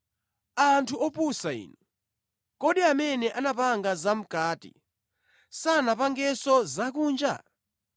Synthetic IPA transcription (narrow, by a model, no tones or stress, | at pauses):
antʰuɔpusaḭːnɔ | kɔɗiamɛnɛʔanapaŋɡazam̩kaːtḭ | sanapaŋɡɛsɔzak̬uːnd͡ʒa̰